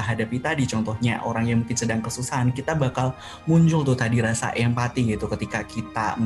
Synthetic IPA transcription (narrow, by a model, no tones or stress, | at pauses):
aɦadapit̪adit͡ʃɔnt̪ɔhɲa̰ʔoɾaŋjaŋmuŋkɪnsədaŋkəsusaɦankit̪abakal | muɲt͡ʃʊlt̪ʊht̪adiɾasa̰ʔjaŋpat̪iɡit̪ukət̪ikakit̪a̰